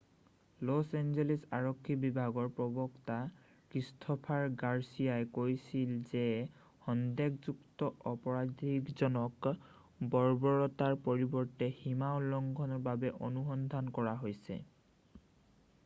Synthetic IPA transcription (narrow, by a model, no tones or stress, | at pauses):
lɔsenzelɛsaɹɔkʰːibibʱaɡɔɹpɹɔbɔkta | kɹistʰɔpʰaɹɡaɹsijajkojsilzɛ | xɔndɛkzuktɔʔɔpɔɹadʱikzɔnɔk | bɔɹbɔɹɔtaɹpoɹibɔɹtɛhimaolɔŋɡʱɔnɔɹbabɛʔɔnuxɔnd̪ʱankɔɹaɦojsɛ̰